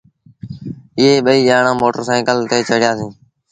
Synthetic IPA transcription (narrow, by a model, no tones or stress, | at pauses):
ɪɦeːɓəiːʄaːɳãːmoːʈəɾsãːɪkəlt̪eːt͡ʃəɽɪjaːsĩː